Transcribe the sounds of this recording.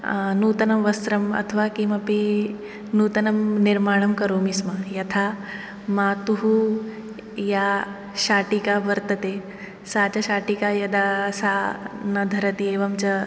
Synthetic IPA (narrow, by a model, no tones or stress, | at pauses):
nuːt̪ɐnɐmʋɐst̪ɾɐmɐ̰t̪ʰɐʋaːkimɐpi | nuːt̪ɐnɐmniɾmaːɳ̃ɐmkɐɾoːmismɐjɐt̪ʰaː | maːt̪uɦu | jaː | ʃaːʈikaːʋɐɾt̪ɐt̪eː | saːt͡ʃɐʃaːʈikajɐd̪aːsaːnɐd̪ʱɐɾɐt̪ieːʋɐmt͡ʃɐ